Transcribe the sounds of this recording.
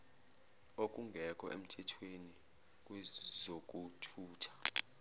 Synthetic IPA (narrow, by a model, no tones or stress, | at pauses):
ok̬ʼuŋɡʱɛkʼɔ̰ʔem̩tʰɛtʰweni | kʼwɛzok̬ʼutʰuːtʰḁ